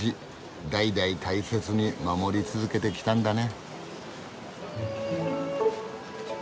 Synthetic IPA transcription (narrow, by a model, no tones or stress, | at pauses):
i | d̪aid̪ait̪aise̞t͡sɨɲ̟imamo̞ɾʲit͡sɨzɨke̞t̪e̞kʲi̥t̪ãnd̪ane̞